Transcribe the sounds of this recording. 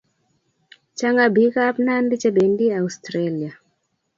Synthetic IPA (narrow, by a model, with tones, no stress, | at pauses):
t͡ʃa˦ŋɡa˨bi˦ka˦pna˦ndi˦t͡ʃa˦be˨ndi˦a˨ustɾali˨a˨